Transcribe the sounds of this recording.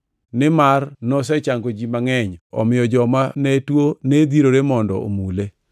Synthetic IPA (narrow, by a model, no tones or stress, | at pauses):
nɪmarnɔsɛt͡ʃaŋɡod͡ʒimaŋɛɲɔ̰mɪjɔd͡ʒɔmanetwoned̪iɾoɾemɔndɔ̰o̰mule